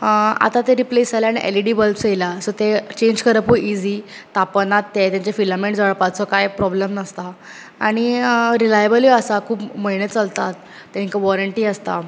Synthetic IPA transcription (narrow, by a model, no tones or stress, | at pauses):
a̰t̪at̪eɾiplesd͡zaljaɽ̃iʔḛliɖiːbəlpsejlasət̪et͡ɕẽɲd͡ʑkʰəɾəpuid͡ziː | t̪apənat̪ːet̪jãɲt͡ɕafiləmeɳʈd͡zaɭpat̪̚t͡sɔkajpɾɔbləmnəst̪a | aɽ̃iɾilajəbəljɔəsakʰuːpməinet̪t͡səlt̪at̪̚ː | ãŋkaʋɔɾəɳʈiːəst̪a̰